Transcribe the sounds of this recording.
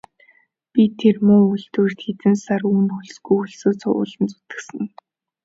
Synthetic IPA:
pʲit̪ʰːermʊːuɮt̪uːr̥t̪xet̪ɘ̆nsaruːnxɵɮsɡujxɵɮsoːt͡sʰʊ̰ʊ̰ːɮə̆nt͡sʊ̥t̪ɘ̥̆ksɘ̆n

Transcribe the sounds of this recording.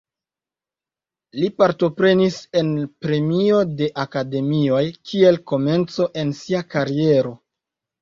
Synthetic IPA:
lipaɾto̞pɾe̞nise̞npɾe̞mio̞de̞ʔakade̞mio̞jkʰie̞lko̞me̞nt͡so̞ʔensiakaɾie̞ɾo̞

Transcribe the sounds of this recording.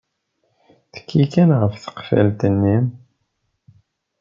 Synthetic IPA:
θə̥kʰːikænʁəfθə̥qfæ̰lt̪ənːim

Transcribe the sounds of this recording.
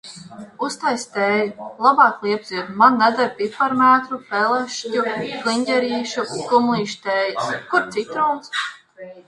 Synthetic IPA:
ust̪ajst̪eːjulˠabɑːklˠiɛbzid̪manːɛd̪aɾpipaɾmæːt̪ɾupɛlˠɛʃcuklˠiɲʲɟʲɛɾiːʃukumlˠiːʃt̪eːjaskuɾt̪sit̪ɾɔwns

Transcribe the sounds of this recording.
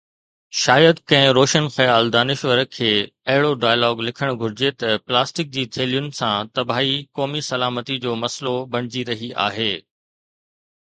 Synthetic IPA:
ʃaːjəd̪kɐ̃ɦɪ̃ɾoːʃənxɐjaːld̪aːnɪʃʋəɾkʰeː | ɐɦɪɽoɖaːjəlɔːɡlɪkʰəɽ̃ɡʱʊɾɪd͡ʑet̪ɐplaːsʈɪk̚d͡ʑiːt̪ʰeːlijʊn̆sãt̪ɐbʱaːɦikɔːmisɐlaːmət̪id͡ʑoːmɐslobɐɽ̃ɪd͡ʑiɾɐɦiʔa̰ːɦeː

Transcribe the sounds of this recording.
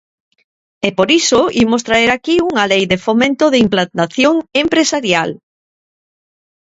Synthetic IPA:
epoɾisoimost̪ɾaeɾakiuŋalejðefomẽnt̪oðɪimplant̪aθjoŋempɾesaɾjal

